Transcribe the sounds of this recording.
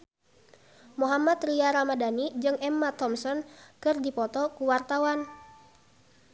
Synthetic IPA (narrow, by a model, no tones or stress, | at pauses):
muɦamat̪riaɾamadanid͡ʒɨŋʔɛmːat̪ɔmsɔnkɨrdipɔt̪ɔkuwart̪awan